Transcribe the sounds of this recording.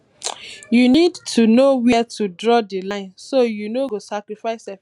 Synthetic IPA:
junidtʰunowɛtʰudɹɔdilãɪ̃nsojunoɡosakɹifaɪsɛ

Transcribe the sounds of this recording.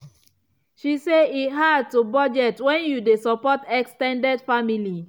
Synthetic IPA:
ʃiseitɦad̚tubɔd͡ʒɛtwɛ̃njudesɔpɔtɛkstɛ̃ndɛdfamili

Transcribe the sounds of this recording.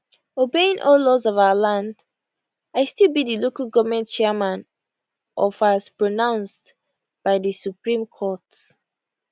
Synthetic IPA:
obeĩŋʔɔllɔzɔvaʊəlãnd | aɪstilˠbiðilokəlɡɔvəmɛ̃ntt͡ʃɛəmãn | ʔɔfaspɹɔnãʊ̃nst | b̥aɪðəsupɹĩmkʰɔt

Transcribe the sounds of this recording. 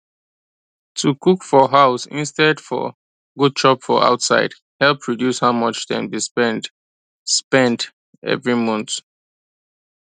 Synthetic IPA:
tʰukʰukfɔɦaʊsḭ̃nstɛdfɔ̰ | ɡud̚t͡ʃɔpfɔ̰a̰ʊtsaɪd̥ | hɛlpʰːɹɔdjushaʊmʌt͡ʃdɛ̰̃nbispɛ̃nt | spɛ̃nt | ɛ̰vɹimʌ̃nθ

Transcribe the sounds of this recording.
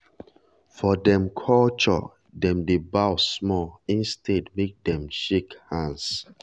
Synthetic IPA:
fɔdɛ̃mkʰɔlt͡ʃɔ̰ | dɛ̃mdebaʊsmɔĩnstʰedmek̚dɛ̃mʃekhãns

